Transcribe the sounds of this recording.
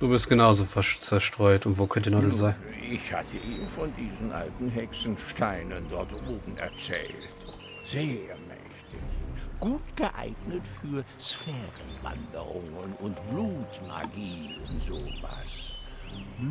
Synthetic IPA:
d̥uːbɪɐstɡ̥ənaʊzoːft͡sɛɐʃtʁ̥ɔʏtʊntv̥oːkʰœntdnɔəzaɪn | ʔɪçha̰tʰəʔiːnfɔndiːzn̩ʔa̰ltn̩ɦɛksn̩ʃtaɪnəndɔɐtʔoːbm̩ɛ̰ɐt͡sɛ̰ːlt | z̥eːɐmɛçtɪçɡ̥uːtɡ̥əʔa̰ɪɡnətfyːɐsfɛːʁənva̰ndə̰ʁʊ̰ŋənʊntb̥luːtma̰ɡiːənzoːva̰s

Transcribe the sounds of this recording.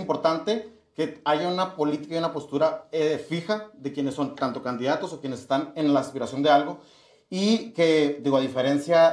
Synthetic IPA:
impo̞ɾt̪ant̪e̞ | ke̞aʝaunapo̞lit̪i̥kajunapo̞st̪uɾaefixaðe̞kje̞nesːo̞nt̪ant̪o̞kand̪iðat̪o̞sokje̞nesest̪anenlaːspiɾasjo̞nd̪e̞alɣo̞ | ike̞d̪iɣoaðife̞ɾe̞nsja

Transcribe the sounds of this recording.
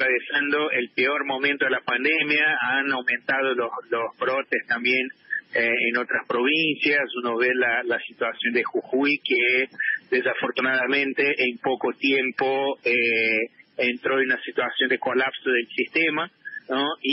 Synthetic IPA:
ɾaβesand̪o̞ʔelpeoɾmo̞mẽnt̪oðelapand̪emjaanawmẽnt̪að̞ololozβɾot̪est̪ambjeneeno̞t̪ɾaspɾo̞β̞insjasunoβelalasit̪wasjo̞nd̪exuxuiked̪esafoɾt̪unaðamẽ̞nt̪eʔempokot̪jempoe | ent̪ɾo̞nunasit̪wasjo̞nd̪eko̞lapsoðelsist̪emanoi

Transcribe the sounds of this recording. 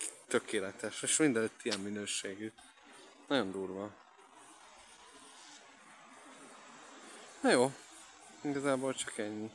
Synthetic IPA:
t̪økʰeːlɛt̪ɛʃeʃmind̪ɛløːt̪ːijɛmːinøːʃeːɡy | nɒɟo̞nd̪uːrʋɒ | nɒjoː | iɡɒzaːboːlt͡ʃɒkɛɲːi

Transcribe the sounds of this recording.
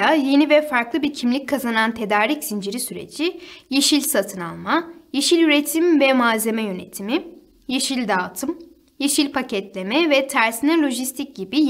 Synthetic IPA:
aje̞nivɛfaɾklˠɯbiɾcʰimlʲic̚kʰːazanant̪ʰe̞d̪aːɾicsind͡ʒiɾisyɾḛd͡ʒijeʃilʲsat̪ʰɯna̰lˠmajeʃilʲyɾet̪ʰimvɛmaːze̞mɛjø̞ne̞t̪ʰimi | jeʃilʲd̪aːt̪ʰɯm | jeʃilʲpʰacʰɛt̪lʲe̞mɛvɛt̪ʰæɾsinɛlʲo̞ʒist̪ʰic̚ɟibi

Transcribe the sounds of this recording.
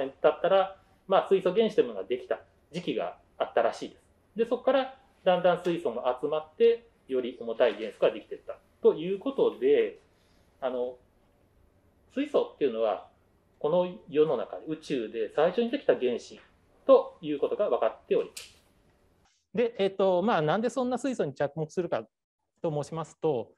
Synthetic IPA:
ẽd̪̥at̪ːaɾa | maːsɨisoɡẽ̞ɰ̃ɕit̪emonoad̪ekʲi̥t̪a | d͡ʑikʲiɡa̰ː | t̪ːaɾaɕiːd̪e̞sɨ̥ | d̪e̞so̞kkːaɾa | d̪ãnd̪ãɰ̃sɨiso̞ŋoʔat͡sɨmat̪ːe̞ | jo̞ɾʲiʔo̞mo̞t̪aiɡẽ̞ɰ̃sokɯɡad̪e̞kʲi̥t̪e̞t̪ːa | t̪o̞jɯ̟ːko̞t̪o̞d̪e̞ | ano̞ | sɨiso̞t̪ːe̞iɯ̟no̞βa̰ | ko̞no̞jo̞no̞na̰kad̪eɯ̟t͡ɕɨːd̪e̞saiɕo̞ɲ̟id̪e̞kʲi̥t̪aɡẽ̞ɰ̃ɕḭ̃n | t̪o̞jɯ̟ːko̞t̪o̞ɡaβakat̪ːe̞o̞ɾʲimḁsɨ̥ | d̪e̞ʔet̪ːo̞maːnãnd̪e̞sõ̞nːasɨiso̞ɲ̟it͡ɕakɯ̟mo̞kɯ̟sɨɾɯ̟ka̰ | t̪o̞moːɕimasɨ̥t̪o̞

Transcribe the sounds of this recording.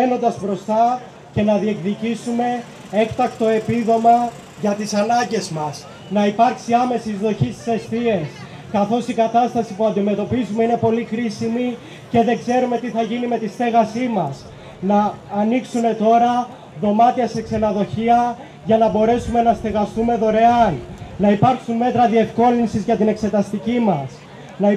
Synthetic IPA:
eno̞nd̪ɐzbɾo̞st̪ɐ | ce̞nɐðie̞kðicisume̞ | e̞kt̪ɐkt̪o̞e̞piðo̞mɐ | ʝɐt̪isɐnɐɲɟe̞zmɐs | nɐipɐɾksiɐme̞sizðo̞çist̪i̥se̞sθie̞s | kɐθo̞sikɐt̪ɐst̪ɐsipuɐnd̪ime̞t̪o̞pizume̞ine̞po̞lixɾisimi | ce̞ðe̞ɡze̞ɾume̞t̪iθɐʝinime̞t̪ist̪e̞ɣɐsimɐs | nɐːniksume̞t̪o̞ɾɐ | ðo̞mɐt̪iɐse̞ksenɐðo̞çiɐ | ʝɐnɐbo̞ɾe̞sume̞nɐst̪e̞ɣɐst̪ume̞ðo̞ɾe̞ɐlnɐipɐɾksunme̞t̪ɾɐðie̞fko̞linsizʝɐt̪ine̞kse̞t̪ɐst̪icimɐs | nɐ

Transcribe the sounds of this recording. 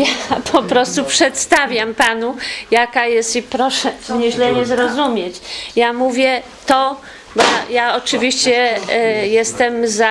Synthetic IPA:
japʰɔpɾɔst̪upʂɛt̪st̪avʲjampanujakajɛst̪ipɾɔʂɛvɲɛʑlɛɲɛzɾɔzumʲjet͡ɕjamuvʲjɛ | t̪ɔ | bɔjaɔt͡ʂɘvʲiɕt͡ɕɛ | jɛst̪ɛmza

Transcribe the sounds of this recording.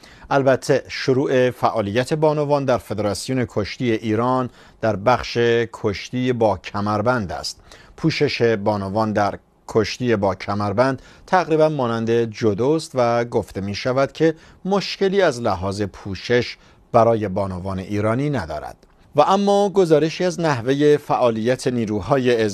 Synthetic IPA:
ʔælbæt̪ʰːe̞ʃoɾuːʔe̞fæʔɒːlijːæt̪ʰe̞bɒːnovɒːnd̪æɾfe̞d̪e̞ɾɑsijone̞kʰoʃt̪iːe̞ʔiːɾɒːn | d̪̥æɾbæχʃe̞kʰoʃt̪iːbɒːcʰæmæɾbænd̪æ̰st̪̚pʰuːʃe̞ʃe̞bɒːnovɒːnd̪æɾ | kʰoʃt̪iːjebɒːcʰæmæɾbænd̪̥ | t̪ʰæɣɾiːbænmɒːnænd̪e̞d͡ʒod̪ost̪væɡoft̪e̞miːʃævæd̪̥cʰe̞ | mo̞ʃce̞liːæzlæɦɒːze̞pʰuːʃe̞ʃ | b̥æɾɒːje̞bɒːnovɒːne̞ʔiːɾɒːniːnæd̪ɒ̰ːɾæ̰d̪̥ | væʔæmːɒːɡo̞zɒːɾe̞ʃiːæznæhve̞je̞fæʔɒːlijːæt̪ʰe̞niːɾuːɦɒːjeːz

